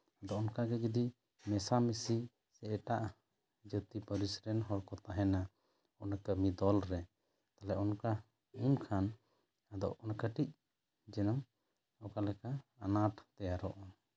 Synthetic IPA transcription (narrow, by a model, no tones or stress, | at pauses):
ad̪ɔʔɔnkaɡɛɡɛd̪i | mɛsamɛsi | sɛɛʈaʔ | d͡ʒət̪ipəɾisɾɛnɦɔɾkɔt̪aɦɛna | ɔnakəmid̪ɔlɾɛ | t̪alɛʔɔnka | umkʰan | ad̪ɔ̰ʔɔnkəʈic̚ | d͡ʒɛnɔm | ɔkalɛkaanaʈt̪ɛjaɾɔʔɔ